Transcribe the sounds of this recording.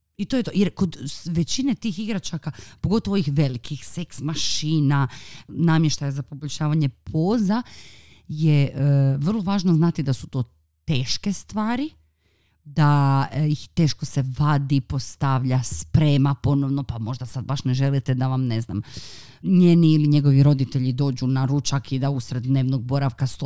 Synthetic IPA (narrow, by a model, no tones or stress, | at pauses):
it̪o̞jet̪ojeɾko̞d̪ʋet͡ɕinet̪iːxiɡɾat͡ʃakapoɡo̞t̪oʋoixʋe̞likʰixse̞ksmaʃiːnanamjeʃt̪ajazapo̞boʎʲʃaːʋaɲe̞pʰoːza | jeʔʋr̩lˠo̞ʋaːʒnoznat̪id̪asu̥t̪o̞ː | t̪e̞ːʃke̞st̪ʋaːɾi | d̪aixt̪e̞ːʃko̞se̞ʋad̪ipo̞st̪aʋʎaspɾe̞ːmapo̞no̞ʋno̞pamo̞ʒd̪asad̪̚baʃne̞ʒe̞lit̪ed̪aʋamne̞zna̰m | ɲeːniiːliɲe̞ɡo̞ʋiɾo̞d̪it̪eʎid̪o̞ːd͡ʑunaɾut͡ʃakid̪ausɾed̪ne̞ːʋnoɡ̚bo̞ɾaʋkast̪o